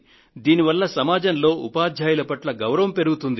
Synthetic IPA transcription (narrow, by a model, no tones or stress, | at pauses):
d̪iːniʋɐlːɐsɐmaːd͡ʒɐnlo̞ːʔṵpaːd̪ʱjaːjulɐpɐʈlɐɡɐwɾɐʋɐmpe̞ɾuɡut̪und̪i